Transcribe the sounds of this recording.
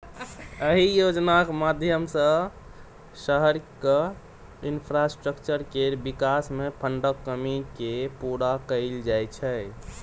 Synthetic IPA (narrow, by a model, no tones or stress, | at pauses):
əɦijod͡ʒnakmad̪ʱjəmsə̃ | səɦəɾkə | inpʰɾasʈɾəkt͡ʃəɾkeɾbikasmepʰəɳɖəkːəmikepuɽakəɪld͡ʒajt͡ʃʰɛ